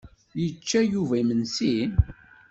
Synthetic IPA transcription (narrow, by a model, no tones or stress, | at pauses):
jət͡ʃːæjuvæmənsin